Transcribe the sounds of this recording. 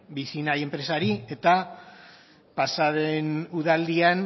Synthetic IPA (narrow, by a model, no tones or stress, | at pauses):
bisinaje̞mpɾe̞saɾie̞t̪a | pasaðenuðald̪ian